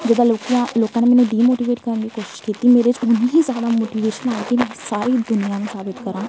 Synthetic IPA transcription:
d͡ʒəd̪aːloːkãloːkãːneːmɛːnẽːɖiːmoːʈiːʋeːʈkəɾənɡiːkoːʃɪ̥ʃkiːt̪iːmeːɾet͡ʃʊnĩɦiːzjaːd̪aːmoːʈiːʋeːʃənaːet̪emɛ̃ːsaːɾiːd̪ʊnɪjãːnũːsaːbɪt̪kəɾãː

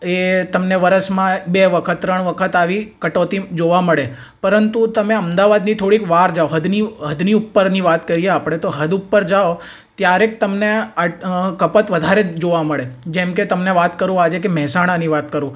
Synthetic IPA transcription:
et̪əmneʋəɾəsmãbeʋəkʰət̪ːɾəɳ̃ʋəkʰət̪aʋikəʈot̪id͡ʒoʋaməɭe | pəɾənt̪ut̪əmeəmd̪aʋad̪nit̪ʰoɽikʋaɾd͡ʒaoɦəd̪niɦəd̪niupːəɾniʋat̪kəɾieapɽ̃et̪oɦəd̪upːəɾd͡ʒao | t̪jaɾek̚t̪əmneakəpət̪ʋəd̪ʱaɾed͡ʒoʋaməɭed͡ʒɛmket̪əmneʋat̪kəɾũad͡ʒekemɛɦsaɽ̃aniʋat̪kəɾũ

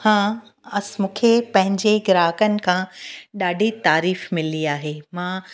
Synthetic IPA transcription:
hãː | ɐsmũːkʰepɐ̃ɦɪ̃ɲd͡ʑeɡɾaːɦəkənɪ̆kʰãɗaːɖʱit̪aːɾiːfmɪliaːɦemãː

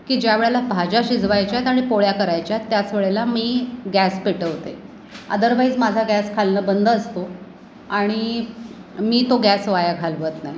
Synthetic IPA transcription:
kiːd͡ʑjaʋeɭelabʱad͡ʑaɕid͡zʱʋajt͡ɕjat̪aɽ̃ipoɭjakəɾajt͡ɕjat̪ːjat͡sʋeɭelamiːɡæspeʈəɦot̪e | ə̰d̪əɾʋaid͡zmad͡zʱaɡæskʰalnəːbənd̪ʱəəst̪o | aɽ̃i | miːt̪oɡæsʋajaɡʰʱalʋət̪naj

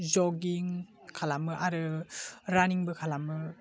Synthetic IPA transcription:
zɔɡiŋ | kʰalamɯʔaɾɯɾaniŋbɯkʰalamɯ

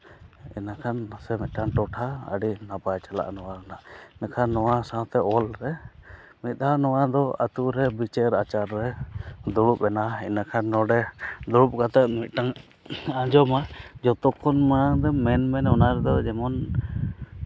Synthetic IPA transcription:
ɛ̰nakʰansɛmit̪̚ˀʈaŋʈɔʈʰaə̰ɖinapajt͡ʃala̰ʔnɔwaɾanaʔnakʰanːɔwasãt̪ɛɔlɾɛ | mit̪̚ˀanɔwad̪ɔa̰t̪uɾɛbit͡ʃɛɾat͡ʃaɾːɛd̪uɽupɛnaɛnakʰanːɔɖɛd̪uɾup̚kat̪ɛt̪̚mit̪̚ˀʈaŋ | ad͡ʒɔmad͡ʒɔt̪ɔkʰɔnmaad̪ɛmɛnmɛnɔnaɾɛd̪ɔd͡ʒɛmɔn

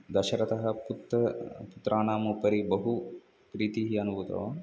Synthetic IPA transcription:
d̪ɐʃɐɾɐt̪ɐɦɐput̪ɐput̪ɾaːɳaːmupɐɾibɐɦu | pɾiːt̪iɦiɐnuʋut̪o̰ː

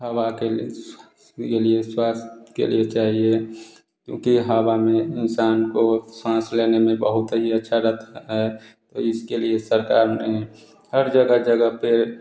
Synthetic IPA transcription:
ɦəwake | kelieswaːst̪kḛlḭet͡ʃaːɦie | kjõ̰ːkiɦəwamẽɪnsaːnkoswãːsleːnemẽbəɦʊt̪ɦiətːʃʰaɾət̪ʰaɦɛt̪o̰ɪskeliesəɾkaːɾme | həɾd͡ʒəɡəd͡ʒəɡəɦpe

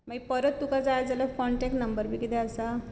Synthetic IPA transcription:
maɡipəɾət̪ːukad͡zajd͡zalafɔɳʈɛk̚ʈnəmbəɾbʱikit̪ɛəsa

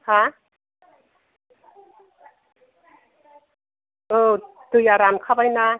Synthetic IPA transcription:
kʰa | ʔɤːt̪ɯjaːɾaːnkʰapajna

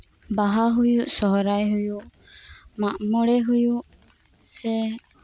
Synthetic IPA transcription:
baɦaɦujuʔsɔɦɔɾajɦujuʔ | maʔmɔɽɛɦujuʔ | sɛ

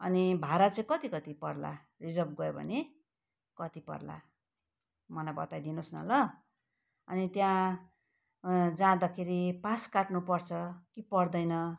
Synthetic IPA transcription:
ʌnibʱaɾat͡sʌĩkʌt̪ikʌt̪ipʌrla̰ | rid͡zʌrbɡʌjobʱʌ̰ne | kʌt̪ipʌ̰rla̰ | mʌlabʌ̰t̪ajd̪inosnʌ̰lʌ | ʌnit̪jã | d͡zãd̪akʰeɾipaskaʈnupʌrt͡sʰʌkipʌrd̪ʌjnʌ

